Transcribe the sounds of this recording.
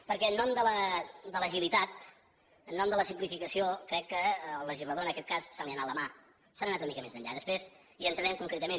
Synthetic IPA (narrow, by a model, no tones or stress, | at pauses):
pəɾkɛənːɔmd̪ələd̪ələʒilit̪at̪̚ | ənːɔmd̪ələsimplifikəsiokɾɛkːəlːəʒizləðoənəkɛt̪̚kassaliənaləma | sannat̪unəmikəmezəɲʎa̰ðəspɾez | iənt̪ɾənɛmkuŋkɾet̪əmen